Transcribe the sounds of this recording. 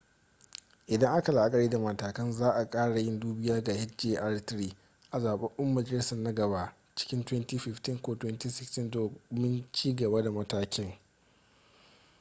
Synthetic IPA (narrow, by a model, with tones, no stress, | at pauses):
ʔɪ˨dɐ˦ŋʔa˦ka˨la˨ʔa˦kʼɐ˨ɽeː˦da˨mɐ˨taː˨kɐ˦nzaː˦ʔa˨kʼaː˦ɽa˨jɪ˦nduː˦bɪ˦jaː˦ɡaː˨hɪ˦td͡ʒeː˦ʔa˦ɽtɾiː˦ | ʔa˨zaː˨ɓɛ˦ŋʔɛ˦mːɐ˨d͡ʒɐ˨lɪ˦sɐ˨nɐ˦ɡɐ˨baː˦ | t͡ʃɪ̥˦kʲɪ˦ntwɛ˦ntiː˦ɸɪ˨ɸtɪ˦ŋkʷoː˦twɛ˦ntiː˦sɪ˨kstɪ˦ndoː˨˦mɪ˦nt͡ʃiː˦ɡɐ˨baː˦da˨mɐ˦taː˦kʲɪ˦ŋ